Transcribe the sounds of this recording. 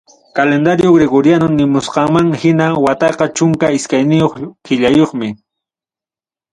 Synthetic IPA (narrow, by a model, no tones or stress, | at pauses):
kalend̪aɾjoɡɾeɡoɾjanonɪmʊsqɑŋmaŋhɪnawat̪ɑqɑt͡ʃʊŋkaɪskajnɪjoχkɪʎajoχmɪ